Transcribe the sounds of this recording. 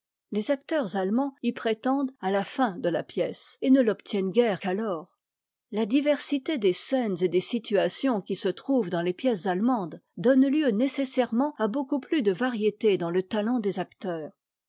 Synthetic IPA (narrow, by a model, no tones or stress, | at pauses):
lezak̚t̪œʁzalmɑ̃ipχet̪ɑ̃d̪alafɛ̃d̪əla̰pjɛsenəlɔpt̪ʰjɛnɡʲɛʁkalɔːʁ | lad̪ivɛʁsit̪ed̪esɛnzed̪esit̪ʰyasjɔ̃kʲisət̪χuvd̪ɑ̃lepjɛszalmɑ̃d̪d̪ɔnljønesesɛʁmɑ̃abokuplyd̪əvaʁjet̪ed̪ɑ̃lət̪alɑ̃d̪ezakt̪œːʁ